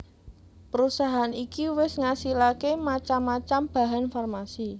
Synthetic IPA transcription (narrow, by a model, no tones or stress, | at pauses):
pəɾusaɦanikiwɪsŋasilakemat͡ʃamːat͡ʃamb̥a̤ɦanfɔrmasi